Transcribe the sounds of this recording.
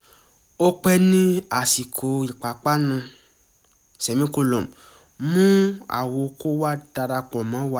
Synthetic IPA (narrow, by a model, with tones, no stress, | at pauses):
o˦k͡pɛ˦nĩ˦a˨si˨kʰo˨i˨k͡pa˨k͡pa˦nũ˧ | sɛ˨mĩ˦ko˧lo˨m˨ | mũ˦a̰˨wo˨˧ko˦wa˦d̥a˧ɾa˧k͡pɔ̃˨mã˨˦wa˦